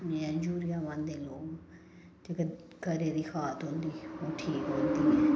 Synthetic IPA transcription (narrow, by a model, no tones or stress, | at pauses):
ãɲd͡ʒuːɾijaːʋãːnd̪eːloːɡ | t̪ekə | kəɾeːd̪iːxʰaːt̪ɦõːnd̪iːoːʈʰiːkɦõːnd̪iːɦɛː